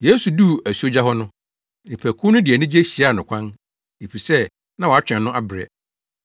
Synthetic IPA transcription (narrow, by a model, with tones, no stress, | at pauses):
je˦su˨du˦æ˨su˨˦o˦d͡ʑa˦ɦɔ˦nʊ̃˦ | nɪ̃˨pʰæ˨kʰũ˦nʊ̃˦dɪ˨ɛ˨nʊ̃˦d͡ʑi˦e˦ɕi˨a˦˨nʊ̃˨kʷʰã˦n | e˨fi˨sɛ˦ | nã˦wɔ˨a˦t͡ɕᶣɛ̃˨nʊ̃˦ʔa˦bɪ˨ɾɛ̰˨